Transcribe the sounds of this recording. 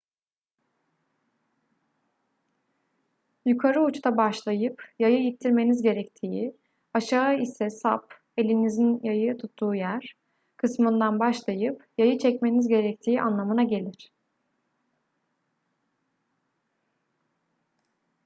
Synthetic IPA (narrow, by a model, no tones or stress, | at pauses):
jukʰaɾɯut͡ʃt̪ʰabaʃlˠajɯpjajɯjit̪ʰːiɾme̞nizɟe̞ɾɛct̪ʰiːi | aʃaːisɛsa̰p | e̞lʲinizinjajɯt̪ʰut̪ʰːuːjæɾ̥ | kʰɯsmɯnd̪anbaʃlˠajɯpjajɯt͡ʃʰɛcme̞nizɟe̞ɾɛc̚t̪ʰiːʔanlˠamɯnaɟe̞lʲiɾ̥